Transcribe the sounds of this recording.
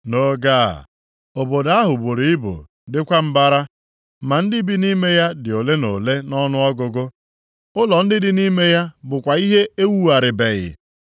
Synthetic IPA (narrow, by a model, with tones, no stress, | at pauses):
no˦ɡa̰˦˨ | o˨bo˨da˦ɦʊ˨bo˨ɾi˨ɪ˦bʊ̰˨ | dɪ˦kʷa˦m̩˦ba˦ɾa˦ | ma˨n̩˦dɪ˦bi˦ni˦me˦ja˦dɪ˨o˨le˦no˨le˦nɔ˦nʊ˦ɔ˦ɡʊ˨ɡʊ˦ | ʊ˦lɔ˨n̩˦dɪ˦dɪ˦ni˦me˦ja˦bʊ˨kʷa˨i˦ɦe˦e˦wu˦a˨ɾɪ˨be˨ɣɪ̰˨